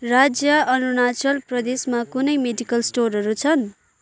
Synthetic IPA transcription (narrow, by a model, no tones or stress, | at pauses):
rad͡zjʌʌnunat͡sʌlprʌd̪esmakunʌjmeɖikʌlsʈorɦʌɾut͡sʰʌn